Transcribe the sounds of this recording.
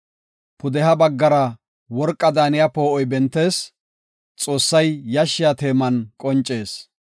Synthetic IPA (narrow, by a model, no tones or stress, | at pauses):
pʊd̪ɛhɐbɐɡːɐɾɐ | wɔɾkʼːɐd̪aːnɪjapoːɔjbɛnt̪ːe̞ːs | t͡sʼo̞ːsːɐjjɐʃːɪjat̪e̞ːmɐnkʼɔnt͡ʃʼːe̞ːs